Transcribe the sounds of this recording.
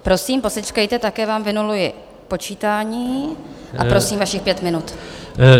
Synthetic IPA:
pɾo̞siːmpo̞sɛt͡ʃkajt̪ɛt̪akɛːvaːmvɪnulujɪ | po̞t͡ʃiːt̪aːɲiːʔa̰pɾosiːmvaʃɪxpjɛt̪mɪnut̪

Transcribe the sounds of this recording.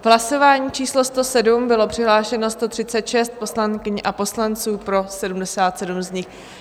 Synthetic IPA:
vɦlaso̞vaːɲiːt͡ʃiːslo̞st̪o̞sɛdumbɪlo̞pr̥ɪɦlaːʃɛno̞st̪o̞t̪r̝̥ɪt͡sɛt̪ʃɛst̪̚po̞slaŋkɪɲʔapo̞slant͡suːpɾo̞sɛdumdɛsaːt̪sɛdumzɲɪx

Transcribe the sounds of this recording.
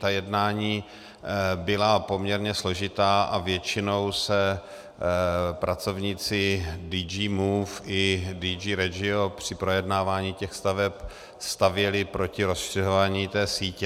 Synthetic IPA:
t̪ajɛdnaːɲiː | bɪlapo̞mɲɛɾɲɛslo̞ʒɪt̪aːʔavjɛt͡ʃɪno̞wsɛ | pɾʔat͡so̞vɲiːt͡sɪdiːd͡ʒiːmuːfʔɪdiːd͡ʒiːɾɛd͡ʒɪopr̝̥ɪpɾo̞jɛdnaːvaːɲiːcɛxst̪avɛp | st̪avjɛlɪpɾo̞cɪɾo̞sʃɪzovaːɲiːt̪ɛːsiːcɛ

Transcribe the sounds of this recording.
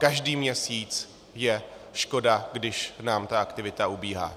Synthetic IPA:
kaʒdiːmɲɛsiːt͡s | jɛʃko̞daɡdɪʃnaːmt̪aakt̪ɪvɪt̪aubiːɦa̰ː

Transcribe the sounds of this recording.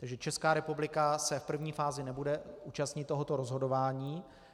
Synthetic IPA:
t̪aɡʒɛt͡ʃɛskaːɾɛpublɪkasɛfpr̩vɲiːfaːzɪnɛbudɛuːt͡ʃast̪ɲɪt̪ːo̞ɦo̞t̪oɾozɦo̞do̞vaːɲiː

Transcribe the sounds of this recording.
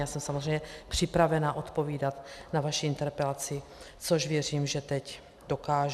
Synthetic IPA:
aːsɛmsamozrɛjɲɛpr̥ɪpɾavɛnaːʔot̪poviːdat̪navaʃiint̪ɛɾpɛlat͡sɪ | t͡soʒvjɛr̝iːmʒɛt̪ɛc | dokaːʒ

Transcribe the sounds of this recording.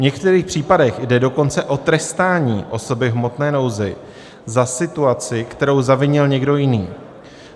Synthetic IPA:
vɲɛkt̪ɛɾiːxpr̝̥iːpadɛxjdɛdo̞ko̞nt͡sɛʔo̞t̪ɾɛst̪aːɲiːʔo̞so̞bɪɦmo̞t̪nɛːno̞wzɪ | zasɪt̪uat͡sɪkt̪ɛɾo̞wzavɪɲɪlɲɛɡdo̞jɪniː

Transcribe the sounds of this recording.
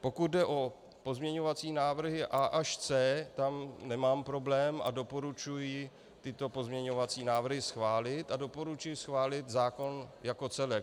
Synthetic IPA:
po̞kud̪̚dɛʔo̞ | po̞zmɲɛɲo̞vat͡siːnaːvr̩ɦɪʔaʔaʃt͡sɛːt̪amnɛmaːmpɾo̞blɛːma̰do̞po̞ɾut͡ʃujɪ | t̪ɪt̪o̞po̞zmɲɛɲo̞vat͡siːnaːvr̩ɦɪsxvaːlɪt̪ado̞poɾut͡ʃujɪsxvaːlɪt̪zaːko̞njako̞t͡sɛlɛk

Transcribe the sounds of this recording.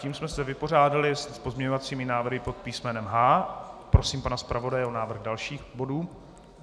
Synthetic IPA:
ciːmsmɛsɛvɪpo̞r̝aːdalɪspo̞zmɲɛɲovat͡siːmɪnaːvrɦɪpo̞t̪̚piːsmɛnɛmɦaːpɾo̞siːmpanaspɾavo̞dajɛʔo̞naːvr̩ɣdalʃiːxbo̞duː

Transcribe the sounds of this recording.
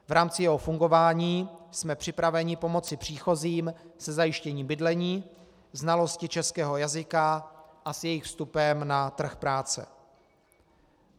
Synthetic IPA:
vɾaːmt͡sɪjɛɦo̞fuŋɡo̞vaːɲiːsmɛpr̝̥ɪpɾavɛɲɪpo̞mo̞t͡sɪpr̝̥iːxo̞ziːmsɛzajɪʃcɛɲiːmbɪdlɛɲiː | znalo̞scɪt͡ʃɛskɛːɦo̞jazɪkaʔasjɛjɪxfst̪upɛmnat̪r̩xpɾaːt͡sɛ̰

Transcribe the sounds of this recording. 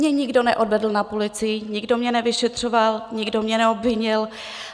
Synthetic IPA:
ɲɛɲɪɡdo̞nɛʔo̞dvɛdl̩napulɪt͡sɪjɪɲɪɡdo̞mɲɛnɛvɪʃɛt̪r̝̥o̞valɲɪɡdomɲɛnɛobvɪɲɪl

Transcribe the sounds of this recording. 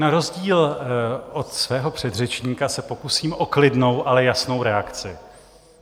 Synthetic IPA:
naɾo̞zɟiːlʔot̪svɛːɦo̞pr̥ɛd̪r̝ɛt͡ʃɲiːkasɛpo̞kusiːmʔo̞klɪdno̞wʔalɛjasno̞wɾɛakt͡sɪ

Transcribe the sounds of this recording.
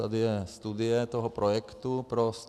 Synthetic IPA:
a̰d̪ɪɛst̪ud̪ɪɛt̪ɔɦɔpɾɔjɛkt̪upɾɔs

